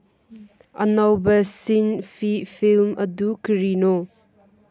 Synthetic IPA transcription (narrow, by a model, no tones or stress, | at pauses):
ʔɐnawbɐsinfʰifʰilmɐ̰dukəɾino